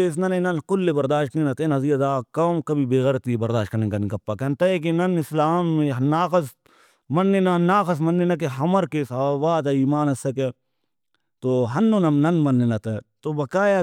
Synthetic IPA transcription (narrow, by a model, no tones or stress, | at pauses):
eːs̬nɐnẽnɐnkʊlːebɐɾd̪aːʃknenɐt̪enɐziːɐd̪aːkɐːmkɐbʱibeːɣɛɾt̪ibɐɾd̪aːʃ̚kɐnĩkɐnĩkɐpːakɛnt̪aekinɐnɪslaːmːẽɦnaːkɐs | mɐnːenɐnaːkɐsmɐnːenɐk̬eɦɐməɾkesabaːt̪eiːmaːnɐsɐke | t̪oːɦɐnːonɐmnɐnmɐnːenɐt̪et̪obɐkaːja